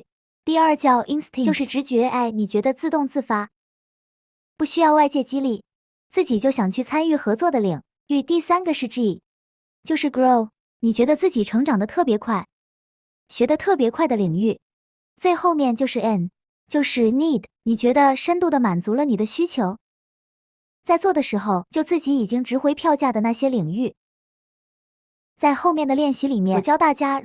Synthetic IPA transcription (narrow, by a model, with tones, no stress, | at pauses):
t̪i˥˧ɐ˞˥˧t͡ɕjɑ˥˧ʊʔi˥nst̪ʰt͡ɕo˥˧ʊʂɻ̩˥˧ʈ͡ʂɻ̩˧˥t͡ɕɥɛ˧˥ʔa˥˩ɪni˨˩t͡ɕɥɛ˧˥d̪ə˧t͡sɹ̩˥˧t̪ʊ˥˧ŋt͡sɹ̩˥˩fa˥ | pu˥˩ɕy˥jɑ˥˧ʊwa˥˧ɪt͡ɕjɛ˥˩t͡ɕi˥li˥˩ | t͡sɹ̩˥˩t͡ɕi˨˩t͡ɕjo˥˩ʊɕjɑ˨˩ŋt͡ɕʰy˥˩t͡sʰa˥ny˥˩xɤ˧˥t͡swɔ˥˩d̪ə˩li˨˩˦ŋ | y˥˧˩t̪i˥˩sa˥nɡə˨ʂɻ̩˥˧ʈ͡ʂi˥˩i˨˩ | t͡ɕjo˥˧ʊʂɻ̩˥˩ko˥˩ʊ | ni˨˩t͡ɕɥɛ˧˥d̪ə˧t͡sɹ̩˥˩t͡ɕi˨˩ʈ͡ʂʰɤ˧˥ŋʈ͡ʂɑ˨˩ŋd̪ə˦t̪ʰɤ˥˩pjɛ˧˥kʰwa˥˩ɪ | ɕɥɛ˧˥d̪ə˧t̪ʰɤ˥˩pjɛ˧˥kʰwa˥˩ɪd̪ə˩li˨˩ŋy˥˩ | t͡swe˥˧ɪxo˥˧ʊmjɛ˥˧nt͡ɕjo˥˧ʊʂɻ̩˥˩ɛ˥˩n | t͡ɕjo˥˧ʊʂɻ̩˥˩ni˥˩d̪ni˨˩t͡ɕɥɛ˧˥d̪ə˧ʂə˥nt̪u˥˩d̪ə˩ma˨˩nt͡su˧˥lə˧ni˨˩d̪ə˦ɕy˥t͡ɕʰjo˧˥ʊ | t͡sa˥˧ɪt͡swɔ˥˩d̪ə˩ʂɻ̩˧˥xo˧ʊt͡ɕjo˥˧ʊt͡sɹ̩˥˩t͡ɕi˧˥i˨˩t͡ɕi˥ŋʈ͡ʂɻ̩˧˥xwe˥ɪpʰjɑ˥˧ʊt͡ɕja˥˩d̪ə˩na˥˩ɕjɛ˥li˨˩ŋy˥˩ | t͡sa˥˧ɪxo˥˧ʊmjɛ˥˩nd̪ə˩ljɛ˥˩nɕi˧˥li˨˩mjɛ˥˩t͡ɕjɑ˥ʊt̪a˥˩t͡ɕja˥